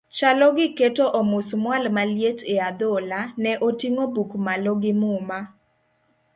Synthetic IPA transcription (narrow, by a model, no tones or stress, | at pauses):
t͡ʃalɔɡɪketoʔɔmʊsmwalmaljetʰead̪ɔlanɛʔotiŋobukmalɔɡɪmʊma